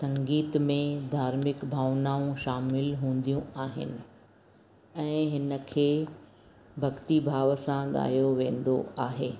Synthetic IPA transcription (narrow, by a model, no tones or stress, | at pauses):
sɐ̃ŋɡiːt̪mẽd̪ʱaːɾmɪkbʱaːʋnaːũʃaːmɪlɦũːn̆d̪ijũaːɦɪ̰nɪ̆ | ɛ̃ːɦɪnə̆kʰeː | bʱɐɠt̪ibʱaːʋəsãɠa̰ːjoʋẽːn̆d̪o̰aːɦeː